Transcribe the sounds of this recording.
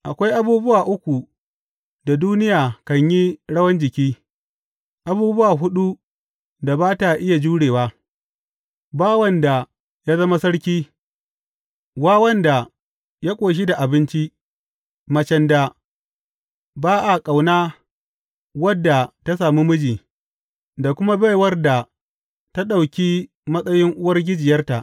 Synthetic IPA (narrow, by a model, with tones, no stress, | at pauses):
ʔa˨kʷa˦jʔa˦buː˦bʊ˦waː˨ʔʊ˦kʷu˨ | da˨duː˦nɪ˦jaː˨kɐ˨ɲji˦ɽɐ˦wɐ˦nd͡ʒɪ˨kʲiː˦ | ʔa˨buː˦bʊ˦waː˨ɦʊ˦ɗu˦ | da˨baː˦ta˨ʔɪ˦ja˨d͡ʒuː˦ɽeː˨waː˦ | baː˦wɐ˦nda˨ | ja˦zɐ˦ma˦sɐ˦ɽkʲiː˦ | waː˦wɐ˦nda˨ | ja˦kʷʼoː˨ʃ̬i˦da˨ʔa˨bɪ˦nt͡ʃi˦ | mɐ˨t͡ʃɛ˨nda˨ | baː˦ʔa˨kʼa˨wnaː˦ | wɐ˦dːa˨ta˦s̬aː˨mi˦mʊ˦d͡ʒiː˨ | da˨kʷʊ˦ma˦ba˦jwɐ˦rda˨ | ta˦ɗa˨wkʲiː˦ | mɐ˦sʼɐ˦jɪ˦ŋʔʊ˦wɐ˦rɡʲɪ˦d͡ʒɪ˨jɐ˦rta˨ʔ